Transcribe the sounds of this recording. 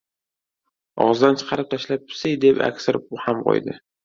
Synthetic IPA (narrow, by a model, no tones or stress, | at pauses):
ɒ̰ʁzd̪ant͡ʃʰɨ̥qʰɑɾɪp̚t̪ʰaʃlap̚pʰʊ̥sɪjd̪epa̰kʲsɪɾɪp̚ʊhamqʰo̰jd̪ɪ̰